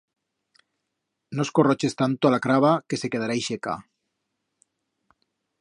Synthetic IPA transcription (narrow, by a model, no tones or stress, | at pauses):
noskorot͡ʃe̞st̪ant̪oalakɾaβ̞ake̞se̞keð̞aɾajʃeka̰